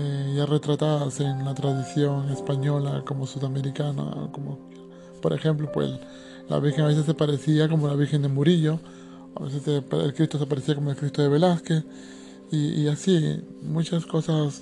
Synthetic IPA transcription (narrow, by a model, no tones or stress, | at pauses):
eʝare̞t̪ɾat̪aðasenlat̪ɾaðisjo̞ŋe̞spaɲo̞lako̞mo̞suðameɾikana̰o̰komo | po̞ɾexe̞mplopwḛs | la̰βiɾxeŋaβes̬esːepaɾesiako̞mo̞laβiɾxend̪elmuɾiʎo̞ | aβesesepelkɾist̪os̬epaɾesiako̞molkɾist̪oðe̞βe̞laskes | iiasimut͡ʃasko̞sas